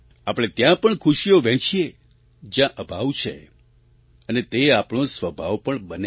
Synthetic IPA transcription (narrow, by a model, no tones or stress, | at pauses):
apɽ̃et̪jãpəɳkʰuʃijoʋɛ̃t͡ʃʰije | d͡ʒjãʔəbʱaʋt͡ʃʰḛ | ənet̪eapɳ̃õsʋəbʱaʋpəɳbəne